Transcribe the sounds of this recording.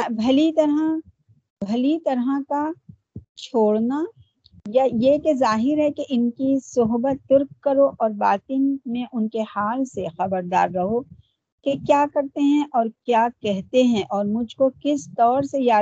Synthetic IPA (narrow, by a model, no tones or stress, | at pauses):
bʱɐlit̪ɐɾɦã | bʱɐlit̪ɐɾɦaka | t͡ʃʰoːɽna | jajekezaːɦɪɾɦɛkeʔɪnkisʊɦbət̪ːʊɾkːɐɾoʔɔːɾbaːt̪ɪnmẽʔʊnkehaːlsexɐbəɾd̪a̰ːɾːɐɦo | kekjaːkɐɾt̪eɦɛ̃ʔɔːɾkjaːkɛɦt̪eɦɛ̃ʔɔːɾmʊd͡ʒʱkokɪst̪ɔːɾsejaː